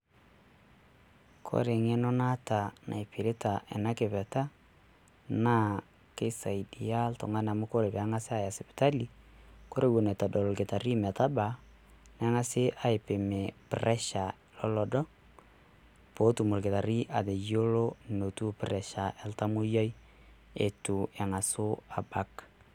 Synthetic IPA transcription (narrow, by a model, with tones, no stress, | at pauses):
kʰo̰˦ɾe˨ŋe˦nɔ˦na˦ta˨nʔa̰˨jpɪ˨ɾɪ˦ta˨ʔɛ̰˨na˦kɪ˨pɛ˨ta˦ | na˦ | ke˦sa˨idi˨ja˦ltʊ̰˨ŋa˦na˨mʊ˦ko˦ɾe˨pːŋa˦sɪ˦a˨ja˨sɪ˨pɪ̥˨ta˦li˦ko˦ɾe˦wu˨ne˨ta˨dɔ˨lo˨lkɪ˨ta˨ɾi˦mɛ˨ta˦ba˨ | nɛ˦ŋa˦sɪ˦ʔa˨ɪ˨pɪ˨me˨pɪ̰˨ɾɛ˦ʃa˨ | lɔ˦lɔ˨dɔ˦ | po˦tu˨mo˨lkɪ˨ta˨ɾi˦ʔa˨ðe˨jo˦lo˦no˨tu˦pɪɾɛ˨ʃa˨ʔɛ˨lta˦mu˦jɔ˦j | ḛ˨tu˨ɛ˨ŋa˨sʊ˦a˨ba˦k